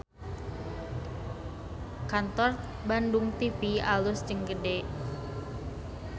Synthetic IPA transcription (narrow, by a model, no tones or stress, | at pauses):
kant̪ɔr | bandʊŋt̪ifialʊst͡ʃəŋɡədeʔ